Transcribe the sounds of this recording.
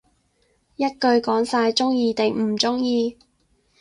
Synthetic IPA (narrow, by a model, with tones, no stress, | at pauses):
jɐ˥t̚kɵ˧ɥkɔː˨˥ŋsaː˧jt͡ʃʊ˥ŋjiː˧t̪e˨ŋm̩˨˩t͡sʊ˥ŋjiː˧